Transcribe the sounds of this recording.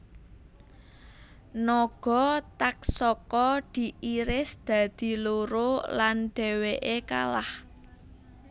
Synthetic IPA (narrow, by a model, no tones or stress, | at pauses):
nɔɡ̥ɔ̤t̪ak̚sɔkɔd̪̥i̤ʔiɾɪsd̪̥ä̤d̪̥i̤loɾolanɖ̪̥ɛ̤weʔeka̰lah